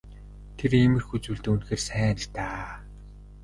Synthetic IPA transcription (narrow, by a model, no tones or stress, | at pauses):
t̪ʰeremɘ̆rxut͡suːɮt̪ɘ̆unxeːrsæːn̆t̪aː